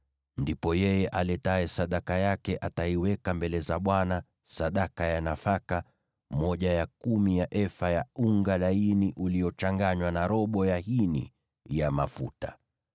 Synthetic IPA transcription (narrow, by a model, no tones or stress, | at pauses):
ndipɔjɛjɛʔalɛtaɛsaɗakajakɛʔataiwɛkambɛlɛzaɓwana | saɗakajanafaka | mɔʄajakumijaʔɛfajauŋɡalainiʔuliɔt͡ʃaŋɡaɲwanaɾɔɓɔjahinḭ | jamafuta̰